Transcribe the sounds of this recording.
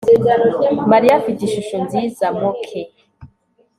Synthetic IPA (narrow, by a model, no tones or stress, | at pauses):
maɾijafiɟiʃuʃonziːzamokʰe